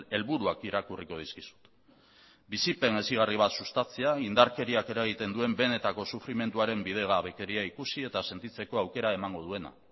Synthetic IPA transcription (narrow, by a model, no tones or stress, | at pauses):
e̞lβuɾuakiɾakuriko̞ð̞iskisu̥t̪ | bisipe̞ne̞siɣ̞ariβ̞at̪sust̪at͡seaind̪aɾke̞ɾiake̞ɾaɣ̞it̪e̞nd̪ue̞mbe̞ne̞t̪ako̞sufɾime̞nt̪uaɾe̞mbið̞e̞ɣaːβe̞ke̞ɾiaikusie̞t̪ase̞nt̪it͡se̞ko̞awke̞ɾae̞maŋɡo̞ð̞ue̞na̰